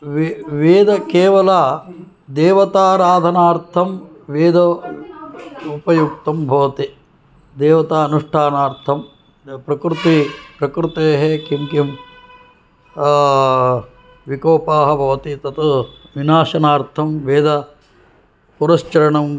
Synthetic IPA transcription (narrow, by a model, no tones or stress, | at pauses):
ʋeʋeːd̪ɐkeːʋɐlaː | d̪eːʋɐt̪aːɾaːd̪ʱɐnaːɾt̪ʰɐm | ʋeːd̪ɐ | upɐjuk̚t̪ɐmbʱɐʋɐt̪i | d̪eːʋɐt̪aːɐnuʂʈʰaːnaːɾt̪ʰɐm | pɾɐkɾut̪ipɾɐkɾut̪eːɦekimkim | ʋikoːpaːɦɐbʱɐʋɐt̪it̪ɐt̪ɐʋinaːʃɐnaːɾt̪ʰɐmʋeːd̪ʱɐ | puɾɐst͡ʃɐɾɐɳɐm